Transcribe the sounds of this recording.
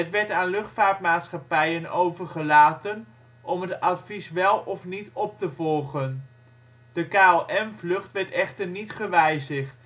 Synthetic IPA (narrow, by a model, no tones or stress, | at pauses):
ɦətʋɛɹtaːnlɵχtfaːɹtmaːtsχɑpɛjənowvəɹχəlaːtən | ʔɔmɦətɑtvisʋɛlˠɔfnitɔp̚təvɔlˠχən | d̥əkaːoʔɛmvlɵχtʋɛɹtɛχtəɹnitχəʋɛjzəχt